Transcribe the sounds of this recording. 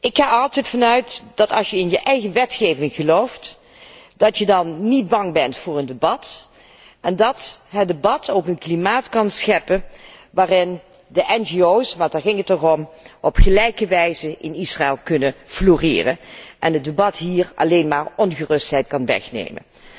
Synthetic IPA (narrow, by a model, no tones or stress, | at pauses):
ʔɪkχaːɑlˠtɛjtfɑnœɥtd̥ɑtɑlˠsjəɪnjəʔɛjɣəʋɛtχejvɪŋχəlowft | d̥ɑtjədɑnːid̚bɑŋbɛntfʊːɹəndebɑt | ʔɛndɑtɦədəbɑtʰowkənklimaːtkɑnsxɛpənʋaːrɪn | dəʔɛnʒiowsʋɑtdaːɹɣɪŋətːɔxɔmʔɔpχəlɛjkəʋɛjzəʔɪnisraɛlˠkɵnəfloːrɪ̰ːrə̰nʔɛnəd̚dəbɑtɦiːrɑ̰lejnmaːrɔnɣərɵstɦɛjt̚kɑnʋɛ̰xnḛjmə̰n